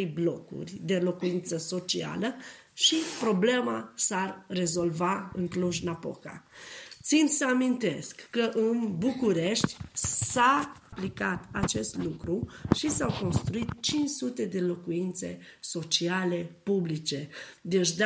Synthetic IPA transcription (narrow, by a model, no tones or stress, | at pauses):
jblo̞kṵrʲd̪e̞lo̞kuint̪səso̞t͡ʃia̰lə | ʃipɾo̞ble̞masarːe̞zo̞lvaɨ̰ŋkluʒnapo̞̰ka̰t̪sint̪səamint̪e̞skːəʔɨnbukuɾe̞ʃt̪ʲsaplikat̪at͡ʃe̞st̪lukɾuʃisawko̞nst̪ɾuit̪t͡ʃint͡ʃsut̪e̞d̪e̞lo̞kuint̪sḛso̞t͡ʃiale̞publit͡ʃe̞d̪et͡ʃd̪